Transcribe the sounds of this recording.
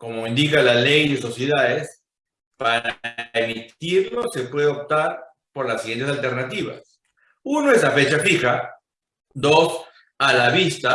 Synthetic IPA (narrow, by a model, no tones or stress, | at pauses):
ko̞mo̞ind̪ikalale̞jðeso̞sje̞ðaðes | paɾaemit̪iɾlo̞se̞pwe̞ðeop̚t̪aɾ | po̞ɾlasiɣje̞nt̪e̞s̬alt̪e̞ɾnat̪iβa̰s | uno̞e̞slafe̞t͡ʃafixa | d̪o̞s | alaβist̪a